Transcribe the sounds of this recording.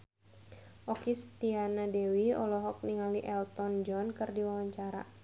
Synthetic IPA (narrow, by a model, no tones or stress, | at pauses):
ʔɔkist̪ianadɛwiɔ̰lɔɦɔk̚niŋaliʔɛlt̪ɔnd͡ʒɔnkɨrdiwawaɲt͡ʃaɾa̰